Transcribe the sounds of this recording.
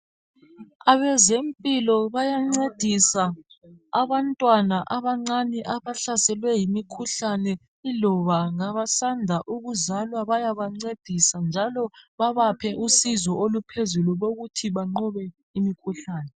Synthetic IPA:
aβɛzempʼilɔβajaŋ͡ǀed̥ʱisa | aβantʼwanaʔaβaŋ͡ǀanɛʔaβaɬasɛlwɛjimikʰuɬanɛ | ilɔβaŋaβasandʱaʔuɣuzalwaβajaβaŋ͡ǀed̥ʱisand͡ʒʱalɔβaβapʰɛʔusizɔʔolupʰezuluβoɣutʰiβaŋ͡ǃɔβɛ | imikʰuɬaːnɛ

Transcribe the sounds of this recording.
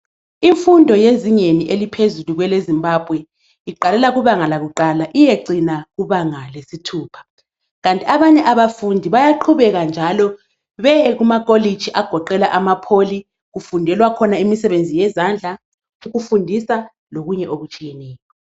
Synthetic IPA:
iɱfundʱɔjeziɲeniʔelipʰezuluɣwɛlezimbʱab̥ʱwɛ | iǃalɛlaɣuβaŋalaɣuǃalaʔijeǀinaɣuβaŋalesitʰuːpʰḁ | ɣantʼiaβaɲɛʔaβafundʱiβajaǃʰuβɛɣand͡ʒʱalɔ | βɛɣumakʼolid̥ʒ̥ʱiʔaɡ̥ʱɔǃɛlaʔamapʰoli | ɣufundʱɛlwakʰɔnaimisɛβend͡zʱijɛzand͡ɮʱa | uɣufundʱisa | loɣuɲɛʔoɣut͡ʃʼijɛnɛːjɔ

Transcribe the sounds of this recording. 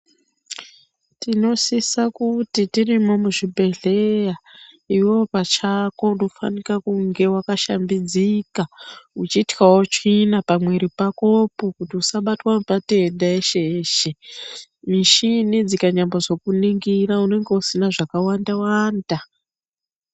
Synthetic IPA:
tino̞sisakutitirimo̞muʐibʱe̞ɮe̞ja | iwo̞pat͡ʃako̞undofa̰nikakuŋɡe̞wakaʃambid͡zikaut͡ʃiːtwawot͡ʃinapamweɾipako̞pokutiusaɓatwamupate̞daeʃeʃe | miʃinid͡zikaɲamboʐo̞kuniŋɡiraune̞ŋɡe̞usinaʐakawandawaːnda

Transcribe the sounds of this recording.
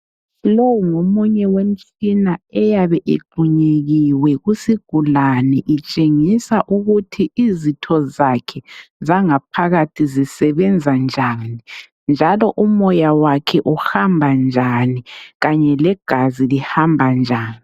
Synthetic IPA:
lowuŋomuɲɛwem̩t͡ʃʼinaɛjaβɛʔḛɡ͡ǃʱuɲeɣiwɛɣusiɡ̥ʱulanɛʔit͡ʃʼeŋisaʔuɣutʰiizitʰɔzakʰɛzaŋap̚ʰaɣatʰizisɛβɛnd͡zʱand͡ʒʱani | nd͡ʒʱalɔʔumɔjawakʰɛʔuhambʱand͡ʒʱaniɣaɲɛlɛɡ̥ʱazilihambʱand͡ʒʱaːni

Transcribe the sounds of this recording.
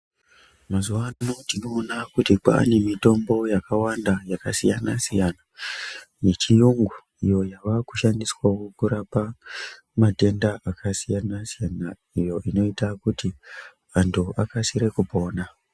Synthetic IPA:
mazuʋanotino̞ːnakutika̰ːne̞mito̞mbo̞jakawandajakasijanasijana | net͡ʃijuŋɡu | ijo̞jaʋaku̥ʃandiswawo̞kuɾapa | mate̞ndaʔakʰasijanasijana | ijo̞ʔino̞itakuti | ʋantʰuʔakasiɾe̞kubʱo̞ːna

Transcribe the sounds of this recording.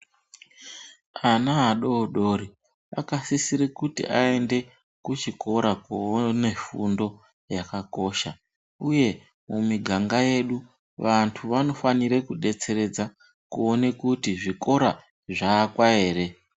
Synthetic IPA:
anaɦaɗoːɗoːɾi | a̰kasisiɾekutḭʔae̞nde̞ | kut͡ʃiko̞ɾakuone̞fundo̞ | jakako̞ʃa | uje̞ | mumiɡʱaŋɡaje̞ɗu | ʋantʰuʋano̞faniɾekuɗe̞t͡se̞ɾe̞d͡za | kuone̞kutiʐiko̞ɾa | ʐaːkwae̞ːɾe̞

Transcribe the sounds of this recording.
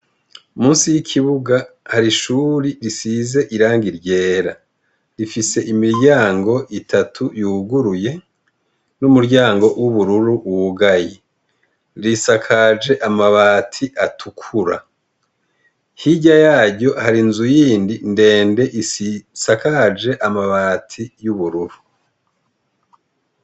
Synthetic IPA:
umuːnsijikʰiβuɡahaɾiʃuːɾiɾisize̞ʔiɾaːŋɡiɾɟe̞ːɾa | ɾifise̞ʔimiɾɟaːŋɡo̞ʔitʰatʰujuːɡuɾuje̞ | numuɾɟaːŋɡo̞wʔuβuɾuɾuʔβuɡaji | ɾisakʰad͡ʒe̞ʔamaβaːtʰiʔatʰukʰuɾa | hiɟajaːɟo̞haɾinzujiːndinde̞ːnde̞ʔiisakad͡ʒe̞ʔamaβaːtʰijuβuɾuɾu

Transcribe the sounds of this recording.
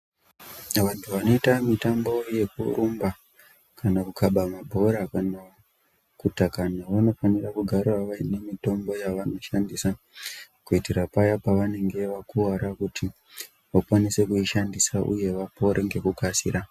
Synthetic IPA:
ʋantʰuʋano̞itamitambo̞je̞kuɾumba | kanakukʰaɓamabʱo̞ɾakano | kutakanaʋano̞fanirakuɡʱaɾaʋaine̞mito̞mbo̞jaʋano̞ʃandisa | kuitiɾapajapaʋane̞ŋɡe̞ʋakuaɾakutʰi | ʋakwanise̞kuiʃandisaʔṵje̞ʋapo̞ɾeŋɡe̞kukasḭɾa

